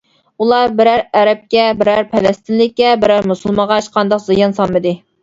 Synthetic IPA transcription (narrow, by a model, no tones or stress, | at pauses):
ulˠɑbɪɾæɾæɾɛp̚kʲɛbɪɾæɾpʰɛlɛst̪ʰɪnlɪkʲːɛbɪɾæɾmusulˠmɑʁɑʃqʰɑnd̪ɑqzɨjɑnsɑlmːɨd̪ɨ